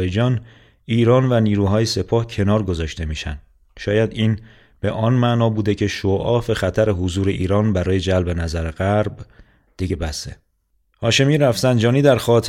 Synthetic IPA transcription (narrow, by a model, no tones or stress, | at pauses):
jed͡ʒɒːn | iːɾɒːnvæniːɾuːɦɒːje̞se̞pʰɒːhcʰe̞nɒːɾɡo̞zɒːʃt̪e̞miːʃæ̰nd̪ | ʃɒːjæd̪iːn | b̥e̞ʔɒnmæʔnɒːbuːd̪e̞cʰe̞ʃoʔɒːfe̞xæt̪ʰæɾeɦozuːɾe̞ʔiːɾɒːnbæɾɒːje̞d͡ʒælbe̞næzæɾeɣæɾb | d̪̥iɟe̞bæst̪ḛ | hɒːʃe̞miːɾæfzænd͡ʒɒːniːd̪æɾxɒːt̪ʰ